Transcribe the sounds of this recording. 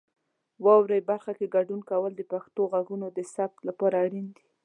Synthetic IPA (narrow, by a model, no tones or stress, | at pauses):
wɑwɾajbaɾxakeɡaɖunkawəld̪əpaxt̪oɣaɡunod̪əsab̚t̪lapɑɾaːɽind̪i̥